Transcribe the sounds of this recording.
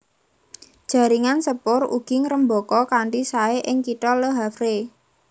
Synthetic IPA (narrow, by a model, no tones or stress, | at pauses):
d̥ʒ̥a̤ɾiŋansəpʊrṵɡ̥ɪŋɾəmbɔkɔkaɳɖisaeʔɪŋkiʈɔləɦafɾe